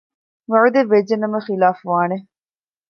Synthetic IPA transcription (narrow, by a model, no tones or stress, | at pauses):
ʋɐʕud̪eʋed͡ʒenɐmɐχilaːfʋaːne